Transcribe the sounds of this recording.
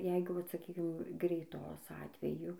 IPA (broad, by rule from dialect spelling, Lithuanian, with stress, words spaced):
ˈjɛɪɡʊ ˈʋɐt sɐˈkʲiːkʲɪm ɡrʲɛɪˈtoːs ˈɑːtʲʋʲɛjʊ